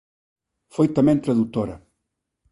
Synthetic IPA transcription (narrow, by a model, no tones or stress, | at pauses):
fojt̪ɐmɛ̃nt̪ɾaðut̪oɾɐ